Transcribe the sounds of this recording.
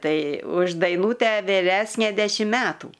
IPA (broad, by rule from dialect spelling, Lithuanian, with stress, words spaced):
ˈtɐɪ ʊʃ dɐɪˈnuːtʲæː ʋʲɪˈrʲæːsʲnʲeː ˈdʲæːʃʲɪm ˈmʲæːtuː